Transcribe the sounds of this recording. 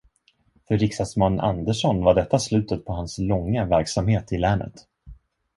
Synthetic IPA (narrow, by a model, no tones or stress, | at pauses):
fœɾɪksasmanːa̰nd̪əʂɔnvaɖɛt̪ːaslʉ̟ːt̪ət̪pʰɔɦanslɔŋːavæɾksamheːt̪ɪlæːnə̰t̪